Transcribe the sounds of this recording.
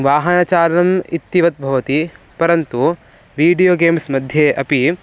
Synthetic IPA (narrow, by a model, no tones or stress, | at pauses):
ʋaːɦɐnɐt͡ʃaːlɐnɐmit̪ːiʋɐt̪̚bʱɐʋɐt̪i | pɐɾɐnt̪u | ʋiːɖijoːɡeːmsmɐd̪ʱjeːʔɐpi